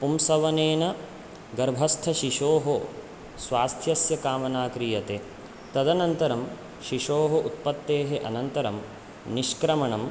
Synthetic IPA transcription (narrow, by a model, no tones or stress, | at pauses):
pumsɐʋɐneːnɐ | ɡɐɾbʱɐst̪ʰɐʃiʂoːɦo | sʋaːst̪ʰjɐsjɐkaːmɐnaːkɾijɐt̪e | t̪ɐd̪ɐnɐnt̪ɐɾɐm | ʃiʃoːɦɐʔut̪̚pɐt̪ːeːɦeʔɐnɐnt̪ɐɾɐm | niʃkɾɐmɐɳɐm